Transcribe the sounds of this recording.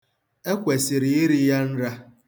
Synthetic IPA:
e˦kʷe˨sɪ˨ɾi˨i˦ɾi˦ja˦n̩˦ɾa˦

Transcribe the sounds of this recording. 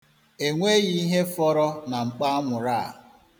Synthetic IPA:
e˨ŋʷe˦ji˦i˦ɦe˦fɔ˦ɾɔ˦na˨ŋ͡m̩˨k͡pa˦a˦ŋʷʊ˨ɾa˦˨

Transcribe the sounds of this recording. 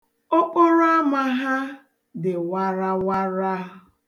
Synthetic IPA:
o˦k͡pʊ˦ɾo˦a˦ma˨ɦa˦ | dɪ˨wa˦ɾa˦wa˦ɾa˦

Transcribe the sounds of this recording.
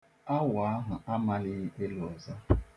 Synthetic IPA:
a˦wa˨˦ɦʊ˨ʔa˦ma˦lɪ˦ɣe˦lʊ˨ɔ˨za˦

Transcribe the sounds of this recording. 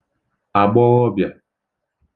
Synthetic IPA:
a˨ɡ͡bɔ˦ɣɔ˦bja˨

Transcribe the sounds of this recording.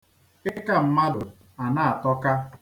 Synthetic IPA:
ɪ˦ka˦m̩˦ma˦dʊ˨ | a˨na˦˨a˨tɔ˦ka˦

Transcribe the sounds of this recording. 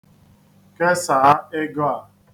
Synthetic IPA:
ke˦saː˨a˦ɪ˦ɡo˦a˨

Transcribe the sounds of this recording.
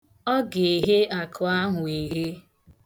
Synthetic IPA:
ɔ˦ɡe˨ɦe˦a˨kʰʊ˨a˦ɦʊ˨e˨ɦe˦

